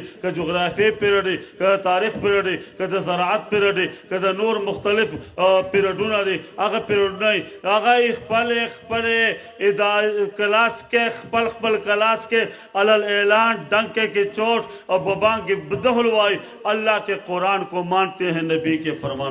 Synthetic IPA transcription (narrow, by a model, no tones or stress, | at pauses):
kɐd͡ʒuɣɾaːfepiɾɐɖikɐd̪ɐt̪aːɾiːxpiɾɐɖikɐd̪ɐzɐɾaːɐt̪̚piɾɐɖikɐd̪ɐnoːɾmʊxt̪ɐlifpiɾɐɖunaɾiɐɣapiɾɐɖunaiɐɣaixpɐlẽxpɐle | id̪akɐlaːskexpɐlxpɐlkɐlaːske | ɐlɐleːlaːnɖɐŋɡ̚keket͡ʃoːʈ | bɐbãːŋkibɐd̪ɐɦʊlʋaːi | ɐlːaːkeqʊɾaːnkomaːnt̪eɦẽnɐbiːkefɐɾmaːn